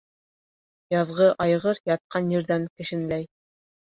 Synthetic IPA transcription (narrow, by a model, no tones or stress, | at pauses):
jɑðʁɤʔɑjʁɤɾjɑt̪̚qɑnjĭɾðæŋkɘ̆ʃɘ̆nlæj